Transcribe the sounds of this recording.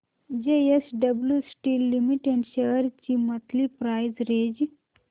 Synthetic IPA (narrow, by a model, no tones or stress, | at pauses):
d͡ʒeesɖəbljusʈilːimiʈeɖɕeɦəɾt͡ɕimət̪lipɾaːjzɾed͡ʑ